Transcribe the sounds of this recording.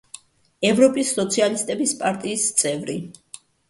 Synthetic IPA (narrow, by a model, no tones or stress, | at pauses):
ɛvɾɔpʼisːɔt̪sʰialist̪ʼɛbispʼaɾt̪ʼiːst̪sʼɛvɾi